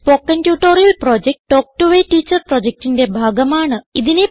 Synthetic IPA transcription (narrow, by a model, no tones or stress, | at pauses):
poːkːɐntjuːʈːoːɾijɐlproːd͡ʑek̚ʈːoːk̚ʈuʋeʈiːt͡ɕːɐrproːd͡ʑek̚ʈinde̞bʱaːɡɐmaːɳɨiðine